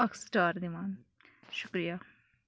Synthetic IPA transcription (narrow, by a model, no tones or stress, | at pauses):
ɐksʈaːɾd̪imaːn | ʃʊkɾija